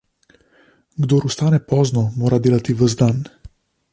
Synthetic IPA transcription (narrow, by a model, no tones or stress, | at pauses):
ɡd̪oːɾust̪aːnɛpɔːznɔmoːɾad̪eːlat̪iʋəzd̪an